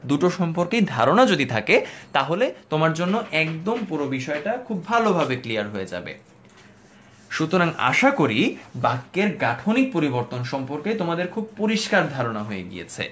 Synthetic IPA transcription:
d̪uʈoʃɔmpoɾkejd̪ʱaɾonad͡ʑod̪it̪ʰaket̪aɦolet̪omaɾd͡ʑonːoʔɛkd̪ompuɾobiʃɔeʈakʰubːʱalobʱabeklijaɾɦoed͡ʑa̰bḛ | ʃut̪oɾaŋa̰ʃakoɾibakːeɾɡaʈʰonik̚poɾiboɾt̪onʃɔmpoɾket̪omad̪eɾkʰub̚poɾiʃkaɾd̪ʱaɾonaɦoḛɡḭjḛt͡ɕʰḛ

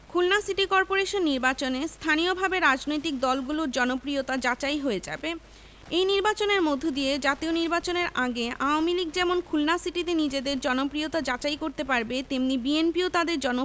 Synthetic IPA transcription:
kʰulnasiʈikɔɾpoɾeʃonːiɾbat͡ɕonest̪ʰaniobʱabeɾad͡ʑnojt̪ik̚d̪ɔlɡuloɾd͡ʑɔnopɾiot̪ad͡ʑat͡ɕajɦoed͡ʑa̰be | ejniɾbat͡ɕoneɾmod̪ʱːod̪ied͡ʑat̪ioniɾbat͡ɕoneɾʔaɡeaomiliɡ̚d͡ʑɛmonkʰulnasiʈit̪enid͡ʑed̪eɾd͡ʑɔnopɾijot̪ad͡ʑat͡ɕajkoɾt̪epaɾbet̪emnibienpiot̪ad̪eɾd͡ʑɔno

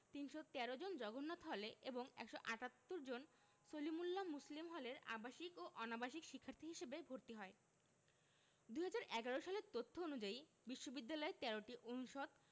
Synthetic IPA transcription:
t̪inʃot̪ɛɾod͡ʑond͡ʑɔɡonːɔt̪ʰɦɔleʔeboŋɛ̰kʃoʔaʈat̪ːoɾd͡ʑon | solimulːamuslimɦɔleɾa̰baʃikoʔɔnabaʃikʃikʰːaɾt̪ʰiɦiʃebebʱoɾt̪iɦɔe | d̪uɦad͡ʑaɾʔɛɡaɾoʃaleɾt̪ot̪ʰːoonud͡ʑai | biʃːobid̪ːalɔet̪ɛɾoʈiʔonuʃod̪̚

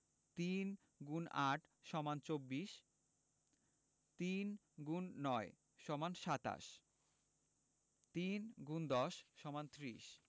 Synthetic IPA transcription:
t̪in | ɡunaʈʰʃɔmant͡ɕobːiʃ | t̪in | ɡunːɔe | ʃɔmanʃat̪a̰ʃ | t̪inɡund̪ɔʃːɔmant̪ɾiʃ

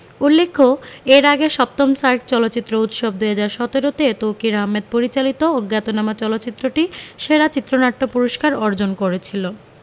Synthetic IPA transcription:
ulːekʰːoeɾaɡeʃɔp̚t̪omsaɾʈ̚t͡ɕɔlotːɕit̪ːɾout̪ʃob̚d̪eed͡ʑaɾʃɔt̪eɾot̪et̪owkiɾaɦmed̪̚poɾit͡ɕalit̪ooɡːat̪onamat͡ɕɔlot̪ːt͡ɕit̪ːɾoʈiʃeɾat͡ɕit̪ːɾonaʈːopuɾoʃkaɾɔɾd͡ʑonkoɾet͡ɕʰilo

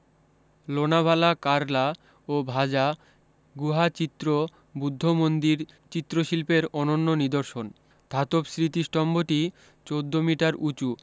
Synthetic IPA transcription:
lonabʱalakaɾla | obʱad͡ʑa | ɡuɦat͡ɕit̪ːɾo | bud̪ʱːomond̪iɾ | t͡ɕit̪ːɾoʃilpeɾɔnonːonid̪oɾʃon | d̪ʱat̪opsɾit̪iʃʈɔmboʈi | t͡ɕod̪ʱːomiʈaɾʔut͡ɕu

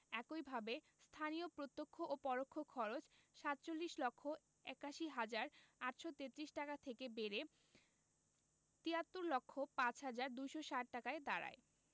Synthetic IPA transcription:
ɛkojbʱabe | st̪ʰanijopɾot̪ːokʰːoʔopɔɾokʰːokʰɔɾot͡ɕʃat̪t͡ɕolːiʃlɔkʰːo | ɛkaʃiɦad͡ʑaɾaʈʃot̪et̪ːɾiʃʈakat̪ʰekebeɾe | t̪iat̪ːoɾlɔkʰːopãt͡ɕɦad͡ʑaɾd̪ujʃoʃaʈʈakaed̪aɾa̰e

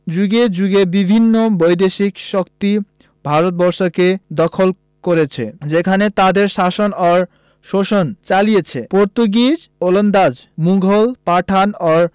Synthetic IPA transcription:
d͡ʑuɡed͡ʑuɡebibʱinːobojd̪eʃikʃokt̪i | bʱaɾot̪̚bɔɾʃoked̪ɔkʰol | koɾet͡ɕʰḛd͡ʑekʰanet̪ad̪eɾʃaʃonɔɾ | ʃoʃont͡ɕalijet͡ɕʰepoɾt̪uɡid͡ʑolond̪ad͡ʑmuŋɡʱolpaʈʰanɔɾ

